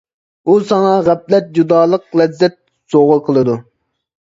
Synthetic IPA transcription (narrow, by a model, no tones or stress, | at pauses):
usɑŋɑʁæplɛt̪̚d͡ʒud̪ɑːlˠəqlɛzːɛt̪̚ | soʁʊqʰəlˠɨd̪u